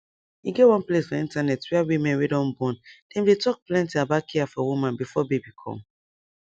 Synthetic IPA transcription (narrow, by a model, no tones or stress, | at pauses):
iɡewɔ̃nplesfɔĩntanɛtwɛawimɛ̃nwedɔ̃nbɔ̃nd̥ɛ̃mdetɔk̚plɛ̃ntiabakʰiafɔwumãnbifɔbebikʰɔ̰̃m